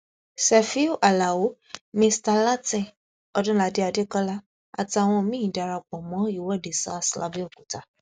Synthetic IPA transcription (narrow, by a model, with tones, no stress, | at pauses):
sɛ˨fi˦o˦ʔa˨la˨wo˨˦ | mĩ˧sta˧la˦tĩ˦˨ | ɔ˧dũ˦la˧˦de˦a˧de˦kɔ˦la˦ | a̰˨ti˧a˨w̃ɔ̃˧mĩ˦ĩ˨da˨ɾa˧˨k͡pɔ˨mɔ̃˨˦i˦˨wɔ˦˨de˨sa̰˦sla̰˧bi˦ɔ˦˨ku˨ta˨˦